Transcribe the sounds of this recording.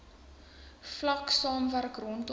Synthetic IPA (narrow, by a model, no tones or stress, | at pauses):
flɐksɑːmvæɾkrɔnt